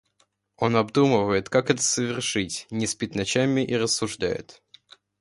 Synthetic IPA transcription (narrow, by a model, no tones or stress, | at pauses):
o̞nɐbd̪uməvəjɪt̪kakɛt̪ə̥səvʲɪrʂɨtʲnʲɪspʲɪt̪nɐt͡ɕamʲɪʔiɾəsːʊʐd̪a̰jɪ̰t̪